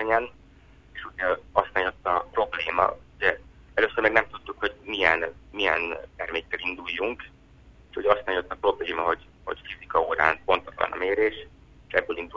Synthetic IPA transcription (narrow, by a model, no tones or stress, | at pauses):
ɛɲɛn | eʃuɟɒsaːɲo̞t̪ːɒpro̞bleːmɒ̰uɟɛ | ɛløsːørmɛːɡnɛmt̪ut̪ːukho̞ɟmijɛ̰nmijɛ̰nt̪ɛrmeːkːɛlind̪ujːuŋk | eʃuɟɛɒst̪aɲot̪ːɒpro̞bleːmɒɦo̞ɟ | ho̞̰ɟfizikɒoːɾa̰ːnpo̞nt̪ɒt̪lɒ̰nɒ̰meːɾeːʃ | eʃɛbːøːlind̪u